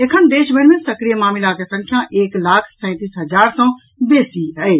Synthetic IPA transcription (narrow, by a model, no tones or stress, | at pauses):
ekʰənd̪eːʃbʱənmesəkɾijəmaːmɪlakesə̃ŋkʰjaʔeːklaːkʰsɛ̃ːt̪iːsɦəd͡ʒaːɾsə̃ | beːsiɦɛɪ